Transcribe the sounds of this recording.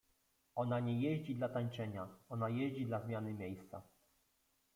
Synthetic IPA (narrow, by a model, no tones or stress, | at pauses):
ɔnaɲɛjɛʑd͡ʑid̪lat̪aɲt͡ʂɛɲaɔnajɛʑd͡ʑid̪lazmʲjanɘmʲjejst̪sa̰